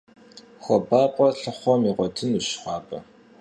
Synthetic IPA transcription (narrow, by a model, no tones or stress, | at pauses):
xʷɔbaːpʷʼɔɬɨχʷɔmiʁʷɔtʰɨnuɕxʷɑːbɐ̰